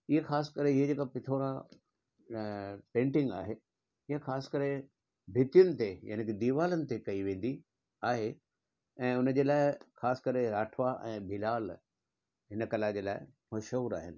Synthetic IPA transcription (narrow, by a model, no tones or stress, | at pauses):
ɪɦexaːskɐɾeɪɦed͡ʑeːkapɪt̪ʰoːɾã | pẽːɳʈɪ̃ŋɡa̰ːɦe | ɪɦexaːskɐɾe | bʱɪt̪jʊnɪ̆t̪eja̰ːnekd̪iːʋaːlənɪ̆t̪ekɐiʋẽːn̆d̪i | aːɦe | ɛ̃ːʊnəd͡ʑeːlaːɪxaːskɐɾeɾaːʈʰʋaʔɛ̃ːbʱɪlaːl | ɦɪnəkɐlad͡ʑeːlaːɪ | moʃɐuɾa̰ːɦɪnɪ̆